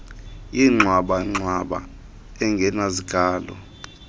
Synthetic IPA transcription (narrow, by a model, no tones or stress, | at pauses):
jɛŋ͡ǁʱwaɓaŋ͡ǀʱwaɓa̰ | ɛŋɡʱɛnaziɡ̥ʱaːlɔ̰